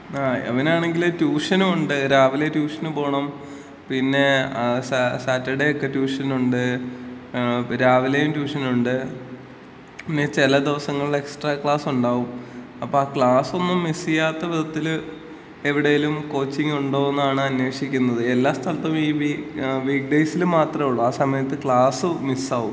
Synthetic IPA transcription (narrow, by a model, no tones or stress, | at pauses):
aɐ̰ʋɐnaːɳe̞ŋɡiltuːʂɐnuuɳɖɨɾaːʋiletuːʂɐnupo̞ːɳɐm | pinːe̞ssaːtːɐɽejokːe̞tuːʂɐnuɳɖɨ | ɾaːʋilejumtuːʂɐnuɳɖɨ | pinːet͡ɕilɐd̪iʋɐsɐŋːɐɭiɭe̞ksʈraːkɭaːsuɳɖaːʋum | ɐpːo̞aːkɭaːso̞nːumːisijːaːt̪ːɐʋid̪ʱɐt̪ːil | eʋiɽejilumko̞ːt͡ɕːiŋːuɳɖoːɣenːaːɳɨɐnːwe̞ːʂikʲːunːɐðɨe̞lːaːst̪ʰɐlɐt̪ːɐmiːʋiʋiːk̚ɖejsilmaːt̪rɐmuɭːɐaːsɐmɐjɐt̪ːɨkɭaːsɨmisaːʋum